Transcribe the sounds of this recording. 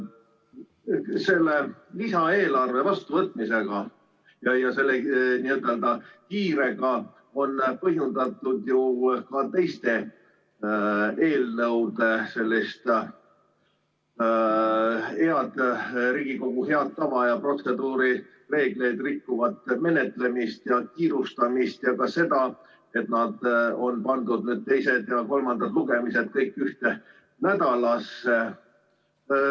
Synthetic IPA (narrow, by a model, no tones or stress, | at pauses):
se̞lːe̞lisɑe̞ːlɑrve̞vɑst̪uvɤt̪ːˑmise̞ɡ̥ɑ | jɑjɑse̞lːeniːet̪ːˑeld̪̥ɑkiːɾe̞ɡ̥ɑ | o̞npɤɦjund̪̥ɑt̪ːˑud̪jukɑt̪e̞jst̪e̞ | e̞ːlnɤwd̪e̞se̞lʲːist̪ | he̞ɑd̪̥ɾiːɡ̥iko̞ɡ̥uɦe̞ɑt̪̚t̪ːɑvɑjɑpro̞t̪se̞d̪uːɾi | re̞ːɡ̥le̞jd̪rikːuvɑt̪ːˑme̞net̪ːˑle̞mist̪jɑkiːɾust̪ɑmist̪jɑkɑse̞d̪ɑ | e̞t̪nɑd̪̥o̞npɑnd̪ud̪̚nyːd̪̥̚t̪e̞jse̞d̪̥jɑko̞lmɑnd̪̥ɑd̪luɡ̥e̞mise̞d̪̥̚kɤjkːˑyht̪e̞ | næd̪̥ɑlɑse